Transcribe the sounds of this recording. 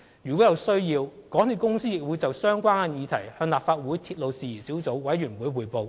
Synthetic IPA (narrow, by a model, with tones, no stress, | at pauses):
jyː˨˩kɔː˨˥jɐ˨wsɵ˥ɥjiː˧wkɔː˨˥ŋt̪ʰi˨˧wkʊ˥ŋsiː˥jɪ˨k̚wu˨˥jt͡sɐ˨wsœː˥ŋkʷaː˥na˧njiː˨˧t̪ʰɐ˨˩jhœː˧ŋlaː˨˩pfaː˧t̚wuː˨˥jt̪ʰiː˧t̚lo˨wsiː˨˩jiː˨˩siː˨˥wt͡so˨˥wwɐ˨˥jːyː˨˩nwuː˨˥jwuː˨jpo˨˧w